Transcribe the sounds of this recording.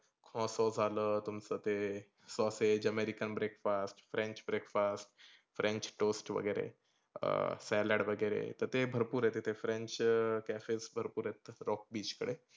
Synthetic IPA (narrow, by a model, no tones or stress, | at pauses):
kʰɔ̃sɔd͡zʱalət̪umt͡sət̪e | sɔsed͡ʑəmeɾikənbɾekfasʈfɾẽɲt͡ɕbɾekfasʈ | fɾʔẽɲt͡ʃʈosʈʋə̰ɡəjɾḛ | sɛləɽʋəɡəjɾḛt̪əɾt̪ebʱəɾpuːɾɦet̪et̪ʰefɾẽɲt͡ʃkæfesbʱəɾpuːɾɦet̪ɾɔk̚biːt͡ʃkəɽe